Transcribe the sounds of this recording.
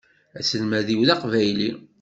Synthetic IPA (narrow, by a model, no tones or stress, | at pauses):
æsəlmæðiwðɑqvæjli